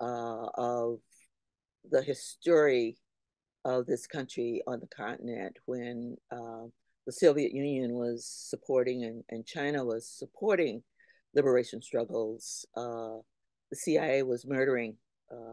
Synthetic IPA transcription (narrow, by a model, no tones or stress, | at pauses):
ʔʌv | ðɨhɪstɔɹi | ʌvðɪskʰʌ̃nt͡ʃɹ̥iə̃nðəkʰɑ̰̃nʔɨnɛ̰̃nʔ̚wɨ̃n | ðəsɪlˠviɨʔjʉ̃njɨ̃nwʌz̥səpʰɔɹɾɪ̃ŋɨ̃nɨ̃nt͡ʃʰãɪ̃ñəwʌz̥səpʰɔɹɾɪ̃ŋ | lɪbə˞eɪʃɨ̃n̩stɹ̥ʌɡl̩ˠz̥ʔʌ | ðɨsiaɪeɪwʌzmɜ˞ɾə˞ɪ̃ŋ